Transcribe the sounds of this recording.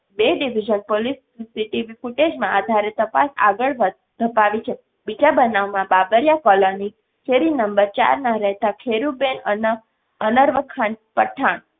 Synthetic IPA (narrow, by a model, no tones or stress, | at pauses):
beɖiʋid͡ʒənpolisː | iʈiʋifuʈed͡ʒmãad̪ʱaɾet̪əpa̰sa̰ɡəɭ | d̪ʱəpaʋit͡ʃʰe | bid͡ʒabənaʋmãbabəɾjakɔləni | kʰeɾinəmbəɾt͡ʃa̰ɾnaɾɛɦt̪akʰeɾubenən | ənəɾʋəkʰːanpəʈʰːaɳ